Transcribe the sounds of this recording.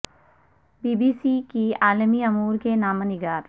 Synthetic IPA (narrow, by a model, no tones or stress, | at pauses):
biːbiːsikiaːlmiɐmuːɾkenaːmənɪɡaːɾ